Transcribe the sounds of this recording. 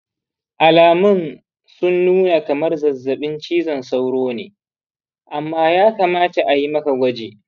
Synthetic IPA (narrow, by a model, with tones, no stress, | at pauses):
ʔa˨laː˨mʊ˦n | sʊ˦nːuː˦na˨kɐ˨mɐ˦rzɐ˨zːɐ˨ɓɪ˦nt͡ʃiː˦zɐ˨nsa˦wɽoː˦nḛː˨ | ʔa˨mːaː˦jaː˦kaː˨maː˦ta˨ʔa˨ji˦mɐ˦ka˨ɡʷɐ˦d͡ʒeː˨